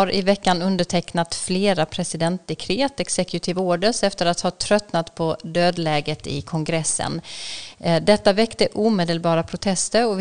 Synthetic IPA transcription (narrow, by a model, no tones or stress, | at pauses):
aɾʔɪvɛkːanɵnd̪əʈʰɛknat̪fleːɾapʰɾɛsɪd̪ɛnt̪̚d̪ɛkʰɾeːt̪ɛksɛkjʊt̪ʰɪvoːɖəsɛft̪əɾat̪hɑːt̪ʰɾœt̪nat̪pʰɔd̪øːd̪lɛːɡət̪ɪ̰kʰɔŋɡɾɛsːə̰n | d̪ɛt̪ːavɛkt̪əʔuːmeːd̪əlbɑːɾapʰɾʊt̪ʰɛst̪əɾɔv